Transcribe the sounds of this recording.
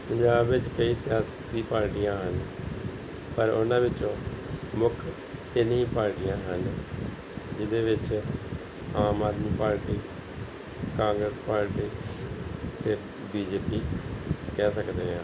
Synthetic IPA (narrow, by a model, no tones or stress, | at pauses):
pəɲd͡ʒaːbʋɪt͡ʃkəiːsɪjaːs | iːpaːɾʈijãːɦən | pəɾʊnãːʋɪt͡ʃõːmʊk̪ʰ | ɪnĩːpaːɾʈɪjãːɦən | d͡ʒɪd̪eːʋɪt͡ʃ | aːmaːd̪miːpaːɾʈiː | kãːŋɡɾəspaːɾʈiː | t̪eː | biːd͡ʒeːpiːkɛːsəkd̪eːɦãː